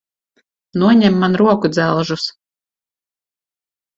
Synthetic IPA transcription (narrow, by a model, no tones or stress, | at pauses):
nuɔɲɛmːanɾuɔkud̪zælˠʒus